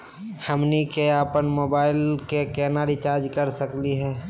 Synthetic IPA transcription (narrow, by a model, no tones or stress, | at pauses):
həmnikeaːpənmoːbaːɪlkekɛːnaːɾit͡ʃaːɾd͡ʒkəɾsəkliɦɛː